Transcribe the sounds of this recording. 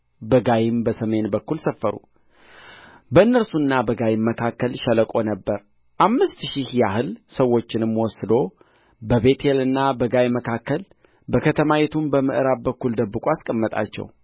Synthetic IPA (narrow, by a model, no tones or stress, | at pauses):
bəɡajɪmbəsəme̞nbəkːulsəfːəɾṵ | bəɨnːəɾsunːabəɡajɪmːəkʰakːəlʃələkʼo̞nəbːəɾ | ʔamːɨst̪ʃihjahɨlsəwːo̞t͡ʃːɪnɨmwɔsɨd̪o̞ | bəβe̞t̪ʰelɨnːabəɡajməkʰakːəl | bəkʰət̪ʰəmajet̪ʰumbəmɨ̰ʔɨɾab̚bəkːuld̪əbːɨkʷʼoaskʼəmːət̪ʼa̰t͡ʃːɛ̰w